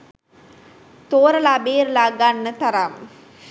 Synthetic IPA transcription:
t̪oːɾɐlabeːɾlaɡanːət̪ɐɾam

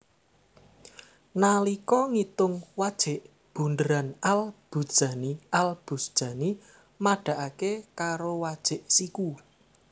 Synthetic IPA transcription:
nalikɔŋit̪ʊŋwad̥ʒ̥ɪ̤ʔ | b̥ṳndəɾanalb̥ṳd̥ʒ̥a̤niʔalb̥ṳsd̥ʒ̥ä̤ni | maɖ̥a̤ʔakekaɾowad̥ʒ̥ɪ̤ʔsiku

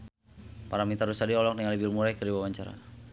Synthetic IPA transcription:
paɾamit̪aɾusadiɔlɔk̚dəŋalibilmuɾajkəɾiwawaɲt͡ʃaɾa̰

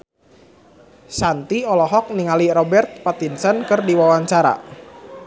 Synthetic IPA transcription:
sant̪iɔlɔɦɔk̚niŋalirɔbɛrt̪̚pat̪insənkɨrdiwawaɲt͡ʃaɾa̰

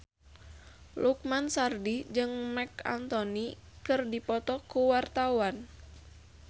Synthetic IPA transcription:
luk̚mansardid͡ʒɨŋmɛka̰nt̪ɔnikɨrdipɔt̪ɔkuwart̪awan

